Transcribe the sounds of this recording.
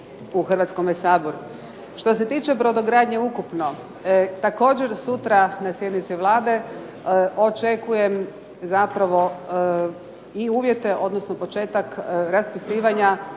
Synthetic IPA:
uxrʋat̪sko̞mʋesaːboɾu | ʃt̪o̞s̬e̞t̪iːt͡ʃe̞bɾod̪oɡɾaːd̪ɲeukupno̞ | t̪ako̞ːd͡ʑe̞ɾsut̪ɾanasje̞d̪nit̪siʋlˠaːd̪e̞ | ʔo̞t͡ʃe̞kuje̞m | zapɾaʋo̞ | iuːʋje̞t̪e̞ʔo̞d̪nosnopo̞t͡ʃe̞ːt̪akɾaspisiːʋaɲa

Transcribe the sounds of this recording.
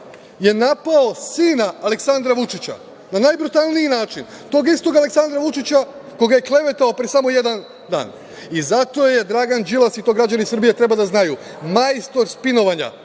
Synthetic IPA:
je̞napao̞siːnaːle̞ksand̪ɾaʋut͡ʃit͡ɕa̰ | nanajbɾut̪alˠnijinaːt͡ʃin | t̪o̞ːɡist̪o̞ɡale̞ksand̪ɾaʋut͡ʃit͡ɕako̞ɡaje̞kle̞ʋe̞t̪aopɾesamo̞je̞d̪an | d̪a̰ːn | izat̪o̞je̞d̪ɾaːɡand͡ʒilˠasit̪o̞ɡɾad͡ʒanisr̩bije̞t̪ɾe̞bad̪aznaju | majst̪o̞ɾspino̞ʋaɲa̰

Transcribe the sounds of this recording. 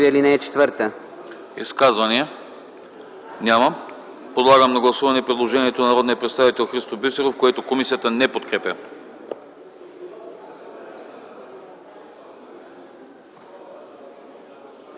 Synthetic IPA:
iəlinɛːt͡ʃɛ̥t̪vəɾt̪ə | ḭskazvɐniə | nʲamɐ | pod̪lˠaɡəmnɐɡlˠɐsuvɐnɛpɾɛd̪lˠoʒɛniɛt̪onɐnɐɾɔd̪nijəpɾɛt̪st̪avit̪ɛlˠxɾist̪obisɛɾofkoɛt̪okomisijət̪ənɛpot̪kɾɛpʲə

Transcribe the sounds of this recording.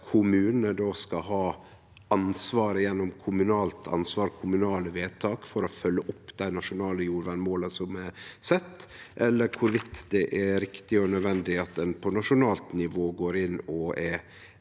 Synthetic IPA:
kʰʊmʉːnəd̪oːskɑɦɑː | ʔɑnsʋɑːɾəjɛnːɔmkʰʊmʉnɑːlt̪ʰɑ̰nsʋɑːɾkʰʊmʉnɑːləʋeːt̪ʰɑːkfɔɾɔfœlːəʔʊpːd̪̥æɪnɑʂʊnɑːləjuːɾʋæɳmoːləsɔmɛsɛt̪ː | ʔɛlːəɾkʰʊɾʋɪt̪ːd̪ɛʔɛɾɪkt̪ɪɔnœd̪ʋɛnd̪ɪɑt̪̚d̪ɛnpʰɔnɑʂʊnɑːlt̪nɪʋoːɡoːɾɪnɔɛ

